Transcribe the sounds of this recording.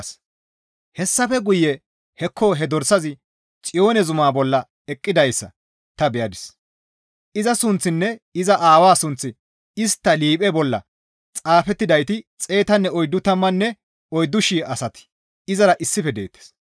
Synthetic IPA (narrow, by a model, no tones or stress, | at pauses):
s | hɛsːɐfɛɡʊjːɛ | hɛkʰːoɦɛd̪ɔɾsɐzɪ | t͡sʼɪjo̞ːnɛzʊmaːbɔlːɐ | ɛkʼːɪd̪ɐjsːɐ̰ | t̪ɐbɛjɐd̪ɪs | ʔɪzɐsʊnt͡sːɪnːɛɪzɐʔaːwaːsʊnt͡sːɪ | ɪst̪ːɐliːpʼɛbɔlːɐ̰ | t͡sʼaːfɛt̪ːɪd̪ɐjt̪ɪt͡sʼe̞ːt̪ɐnːɛɔjd̪ːʊt̪ɐmːɐnːɛ | ɔjd̪ːʊʃiːɐsɐt̪ɪ̥ | ɪzɐɾɐʔɪsːɪfɛd̪e̞̰ːt̪ːe̥s